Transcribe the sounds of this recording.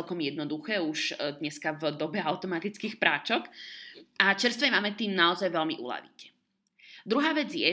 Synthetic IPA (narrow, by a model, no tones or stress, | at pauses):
ɛlkɔmjɛd̪nɔd̪uxɛːuʒd̪ɲɛskavd̪ɔbɛaʊt̪ɔmat̪it͡skiːxpɾaːt͡ʃɔk | at͡ʃɛɾst̪ʋɛmaːmɛt̪iːmnaɔzajʋɛlmiʔṵla̰ʋḭcɛ̥ | d̪ɾuɦaːʋɛd͡zjɛ